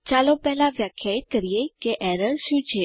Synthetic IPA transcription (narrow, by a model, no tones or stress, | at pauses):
t͡ʃalopɛɦlãʋjakʰjait̪̚kəɾijekeʔɛɾəɾʃũt͡ʃʰe